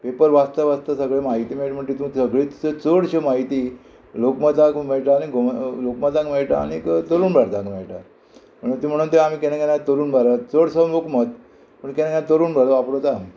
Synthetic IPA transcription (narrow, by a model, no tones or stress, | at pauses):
pepəɾʋast̪əʋast̪əsəɡɭemaɦit̪iːmeʈm̤əɳd͡ʑit̪ũksəɡɭet̪u̥sət͡səɽɕemaɦit̪iː | lokmət̪ãkmeɭʈaːñiɡʱolokmət̪ãkmeɭʈa̰a̰ñikt̪əɾuːnbʱaɾt̪ãkmeɭʈa̰ɾ | m̤əɳuːnt̪em̤əɽuːnt̪eam̤iːkenakenat̪əɾuːnbʱaɾat͡səɽsəlokmət̪ | pəɳkenakenat̪əɾuːnbʱələapɽot̪ami